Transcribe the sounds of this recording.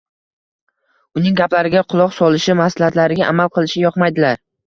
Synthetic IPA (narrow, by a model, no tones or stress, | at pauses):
ʊnɪŋɡʲaplaɾɪɡʲaqʰʊlˠɒqsɒlɪʃɪmaslhat̪laɾɪɡʲaʔamalˠqʰɨlˠɪʃɪjɒqmajd̪ɪlaɾ